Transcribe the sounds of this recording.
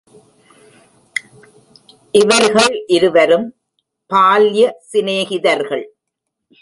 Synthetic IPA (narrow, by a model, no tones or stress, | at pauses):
ʔɪʋɐɾɣɐɭʔɪɾɯʋɐɾɯm | paːljɐsɪneːɣɪðɐɾɣɐɭ